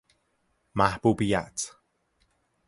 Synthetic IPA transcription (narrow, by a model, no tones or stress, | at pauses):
mahbubija̰t